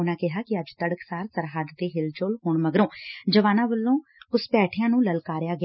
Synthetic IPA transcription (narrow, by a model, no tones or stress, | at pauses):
ʊnãːkɪɦaːkɪəd͡ʒt̪əɽəksaːɾsəɾɦad̪t̪eːɦɪlt͡ʃolɦoːɳməɡɾõːd͡ʒəʋaːnãːʋəlːõːʊspɛːʈʰɪjãːnũːləlkaːɾɪjaːɡɪaː